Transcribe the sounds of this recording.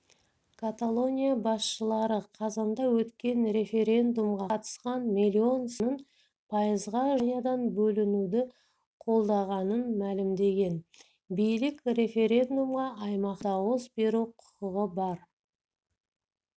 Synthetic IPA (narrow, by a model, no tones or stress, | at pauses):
kʰat̪alˠo̞nʲijabɑsʃəlˠɑɾəqʰɑzɑnd̪ɑwɵt̪kʲe̞nɾe̞fe̞ɾʲe̞nd̪umʁɑt̪ə̥sqɑnmilʲːio̞nsnəɴ | pʰɑjəzʁɑʒnʲijad̪ɑnbɵlɪnud̪ɪ | qʰo̞lˠd̪ɑʁɑnənmælɪmd̪e̞ɡʲe̞n | bijlɪkre̞fe̞ɾʲe̞nd̪umʁɑʔːjmɑqd̪ɑwəzbe̞ɾuwqʰʊ̥qəʁəbɑɾ